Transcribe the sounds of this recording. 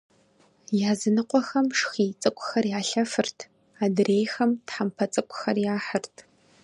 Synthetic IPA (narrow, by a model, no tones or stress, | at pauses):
jaːzɨnɨqʷʼɔxɐmʂxiːt͡sʼɨkʷʼxɐrjaːɬɐfɨrtʰ | aːdreːjxɐmtħampʰɐt͡sʼɨkʷʼxɐrjaːħərtʰ